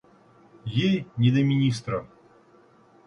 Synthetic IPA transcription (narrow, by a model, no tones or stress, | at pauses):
jejnʲɪd̪əmʲɪnʲist̪ɾɐ